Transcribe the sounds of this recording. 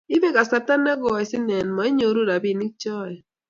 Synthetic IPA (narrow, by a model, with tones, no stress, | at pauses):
i˦βe˦ka˨sa˨ta˦na˦ɣɔ˨i˨si˦nɛ˨nmɔ˨˦i˦ɲo˨ɾu˦ɾa˨bi˦˨ni˦k̚t͡ʃɔ˦˨ɛ˨